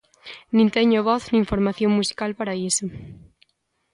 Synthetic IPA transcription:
nĩnt̪eɲoβɔθnĩːɱfoɾmaθjoŋmusi̥kalpaɾaiso

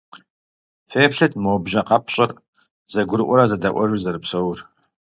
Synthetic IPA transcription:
feːpʂɐtʰmowbʒɐqɑpʰɕʼɐr | z̥ɐɡʷʊɾʔʷɔɾɐzɐdɐʔʷɔʒuzɐɾɨpsowr

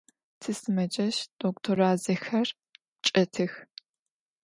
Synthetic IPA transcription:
tʰɨsɨmɐd͡ʒɐʃd̥oktʰoɾaːzɐxɐr | t͡ʃʼɐtʰɨx

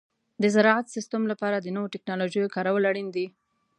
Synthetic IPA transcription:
d̪əzaɾɑat̪sɪst̪amlapɑɾad̪ənəwoʈɪknɑloʒəjokɑɾawəlaɽind̪i

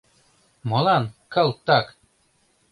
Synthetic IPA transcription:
mɤlɑnkɑlˠt̪ɑk

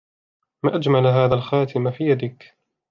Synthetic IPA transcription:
maːʔad͡ʒmalɦaːðaːlxaːt̪ʰɪmafiːjad̪ɪk

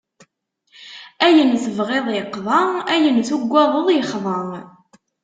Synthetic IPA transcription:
æjənθəvʁeðˤjəqːðˤɑæjənθuɡʷːɑðˤəðˤjəχðˤəʁ

